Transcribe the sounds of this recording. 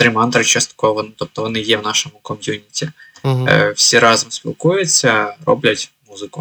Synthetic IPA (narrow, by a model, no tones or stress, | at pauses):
t̪ɾʲɪmant̪ɾɨt͡ɕːosʲt̪ɐ̥kovɐnt̪op̚t̪ɔvɔnɨjevnaʂɨmʊkomʲjunʲɪtʲɪ | fsʲeɾazəmspʲɪ̰lˠkujʊt̪sʲɐro̰blʲɐtʲmuzɨkʊ